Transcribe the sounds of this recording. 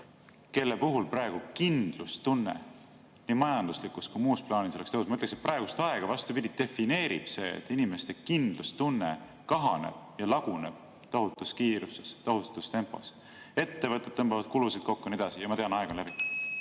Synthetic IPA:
ke̞lːepuɦulprɑe̞ɡ̥ukind̪̥lust̪unːḛ | nimɑjɑnd̪uslikːˑuskujmuːsplɑːnisolst̪eɦusmɑyt̪ːleset̪̚prʔɑeɡ̥ust̪ɑe̞ɡ̥ɑvɑst̪upid̪ʲit̪e̞fine̞ːɾḭb̥se̞̰ːḛt̪ːˑinime̞st̪e̞kind̪̥lust̪unːe | kɑɦɑne̞̰b̥jɑlɑɡ̥uneb̥̚ | t̪ɑɦut̪ːˑuskiːɾusest̪ɑɦut̪ɑ̥t̪u̥st̪e̞mpːˑo̞̰s | e̞t̪ːe̞vɤt̪ːˑet̪ːɤmbɑvɑd̪̥̚kulusid̪̥ko̞kːonied̪ɑsijɑmɑt̪e̞ɑnɑeɡ̥ɑlæbi

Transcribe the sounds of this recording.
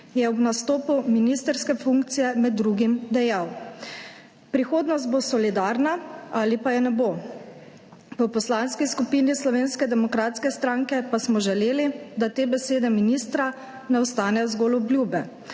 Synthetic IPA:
jɛɔbnast̪oːpuminist̪əɾskɛfuŋkt̪sijɛmɛd̪ːɾuːɡimd̪ɛjaw | pɾixoːd̪nɔst̪̚bosɔlid̪aːɾnaalipajɛnɛbo | pəpɔslanskiskupinislɔʋeːnskɛd̪ɛmɔkɾaːt̪skɛst̪ɾãŋkɛpasmɔʒɛleːlid̪at̪eːbɛseːd̪ɛminiːst̪ɾa | nɛɔst̪aːnɛjɔzɡoːlɔblʲjuːbɛ

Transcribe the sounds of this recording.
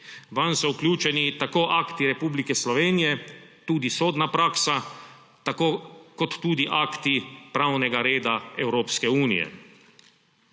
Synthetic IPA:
ʋansɔuklʲjuːt͡ʃɛnit̪akoːʔaːkt̪iɾɛpuːblikɛslɔʋeːnijɛt̪uːd̪isoːd̪napɾaːksa | t̪akoːkɔt̪ːuːd̪iʔaːkt̪ipɾawnɛɡaɾeːd̪aɛwɾoːpskɛuːnḭjɛ̰

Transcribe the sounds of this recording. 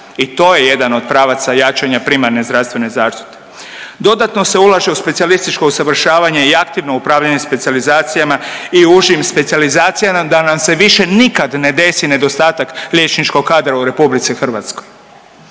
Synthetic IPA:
it̪o̞ːje̞je̞d̪ano̞d̪̚pɾaːʋat̪sajat͡ʃaɲapɾimaɾnezd̪ɾast̪ʋe̞ne̞zaːʃt̪i̥t̪e̥ | d̪o̞d̪at̪no̞se̞ulˠaʒe̞uspesialist̪it͡ʃko̞usaʋr̩ʃaːʋaɲe̞iakt̪iʋno̞upɾaːʋʎaɲespe̞t̪sializaːt̪sijamaiuʒimspe̞t̪sializaːt̪sijamad̪anamse̞ʋiʃe̞nikad̪ne̞d̪e̞sine̞d̪o̞st̪aːt̪aklʲjet͡ʃnit͡ʃko̞ɡkːaːd̪ɾauɾe̞publit̪sixr̩ʋat̪skoj

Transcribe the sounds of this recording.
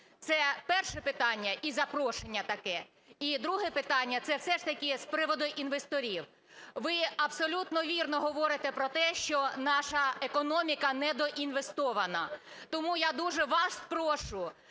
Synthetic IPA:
t̪sɛpɛrʃɛpɪt̪ɑnʲːɐʔizɐpɾɔʃenʲːɐt̪ɐkɛ | id̪ɾuɦɛpɪt̪ɑnʲːɐt̪sɛwsɛʃt̪ɐkʲispɾɪʋɔd̪ɔjʔinʋest̪ɔɾʲiw | ʋɪɐbsɔlʲut̪nɔʋʲirnɔɦɔʋɔɾɪt̪ɛpɾɔt̪ɛʃt͡ʃɔnɑʃɐekɔnɔmʲikɐnɛd̪ɔʔinʋe̞st̪ɔʋɐnɐ | t̪ɔmujad̪uʒɛʋɑspɾɔʃʊ

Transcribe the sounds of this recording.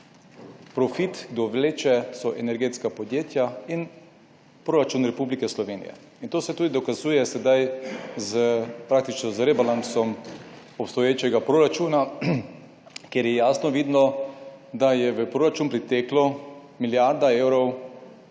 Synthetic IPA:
pɾɔfit̪ɡd̪ɔʋleːt͡ʃɛsɔʔɛnɛɾɡeːt̪skapɔd̪jeːt̪jain | pɾoːɾat͡ʃunɾɛpublikɛslɔʋeːnḭjɛ̰ | int̪oːsɛt̪uːd̪id̪ɔkazuːjɛsɛd̪ajzəpɾak̚t̪it͡ʃnɔzɾeːbalansɔm | ɔpst̪ɔjeːt͡ʃɛɡapɾoɾat͡ʃuːna | kjeɾjɛjaːsnɔʋid̪nɔ | d̪ajɛʋəpɾoːɾat͡ʃuːnpɾit̪ɛklɔmiljaɾd̪aeːwɾɔw

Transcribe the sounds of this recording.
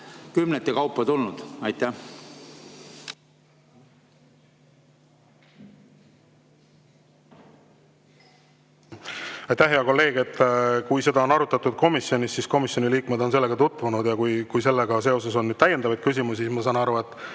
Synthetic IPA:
kymnet̪ːˑekɑwpːˑɑt̪ulnud̪̥ɑjt̪æ | ɑjt̪ːæhɦeɑko̞lːe̞ːɡ̥et̪ːˑkujse̞d̪̥ɑo̞nɑɾut̪ːˑɑt̪ːˑud̪̥̚ko̞misːio̞nʲisːisko̞misjo̞niliːkmed̪̥o̞nse̞lːe̞ɡ̥ɑt̪ut̪ːˑvunud̪̥jɑkujkujse̞lːeɡ̥ɑs̬e̞o̞se̞so̞nːyd̥̪̚t̪æjed̪̥ɑvɑjd̪̥̚kysimus̬ismɑsɑːnɑɾvɑet̪ːˑ

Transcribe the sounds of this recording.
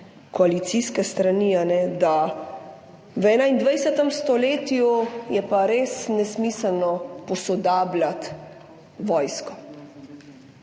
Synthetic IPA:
kɔalit̪siskɛst̪ɾanianɛd̪a | ʋɛːnaind̪ʋɛjsɛt̪ɛmst̪ɔleːt̪jujɛpaɾeːsnɛsmiːsəlnɔpɔsɔd̪aːblat̪ | ʋɔːjskɔ

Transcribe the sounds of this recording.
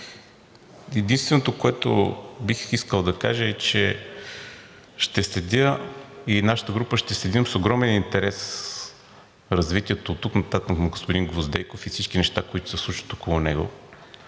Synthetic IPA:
ɛd̪inst̪vɛnot̪okoɛt̪o̰bixiskəlˠd̪ɐka̰ʒəɛt͡ʃɛ | ʃt̪ɛslɛd̪ʲəinaʃə̥t̪əɡɾupəʃt̪ɛslɛd̪ʲəmsoɡɾɔmɛnint̪ɛɾɛs | ɾɐzvit̪ʲiɛt̪oːt̪ːuknɐt̪at̪kmɡospʊd̪iŋɡvozd̪ɛjkofifsit͡ʃkinɛʃt̪akoit̪ʊ̥sɛslˠuʃi̥t̪okolˠʊnɛɡo̰

